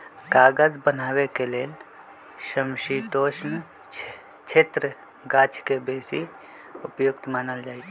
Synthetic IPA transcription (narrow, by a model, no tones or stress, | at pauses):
kaːɡəd͡ʒbənaːwekeleːl | ʃəmʃit̪oːʃn | t͡ʃʰeːt̪ɾə | ɡaːt͡ʃʰkebeːsi | ʊpjʊk̚t̪maːnəld͡ʒaːit͡ʃʰː